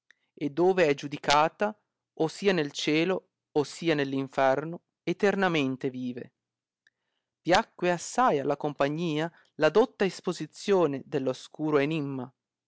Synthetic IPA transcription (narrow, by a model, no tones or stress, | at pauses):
ed̪ːoːveɛd͡ʒud̪ikaːt̪a | osːiːanelt͡ʃɛːloː | sːiːanelːiɱfɛrno | et̪ernament̪eviːvḛ | v̥jakːweasːajalːakompaɲːiːa | lad̪ot̪ːaespozit̪sːjoːned̪elːoskuːɾoenimːa